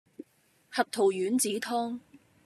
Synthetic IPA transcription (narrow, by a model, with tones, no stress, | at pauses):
hɐ˨p̚t̪ʰo˨˩wjyː˨˥nt͡siː˨˥t̪ʰɔː˥ŋ